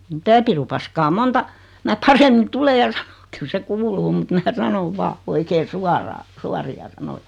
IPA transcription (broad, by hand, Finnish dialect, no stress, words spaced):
mitæ pirupɑskɑː montɑ mæ pɑremːin tule jɑ sɑ̥n̥o̥k kyl se kuːluː mut mæː sɑnoʋ ʋɑː oikeː suɑrɑː suɑriɑ sɑnojɑ̥